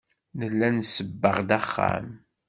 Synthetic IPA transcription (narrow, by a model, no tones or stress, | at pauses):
nəlːænsəbːəʁd̪æχːa̰m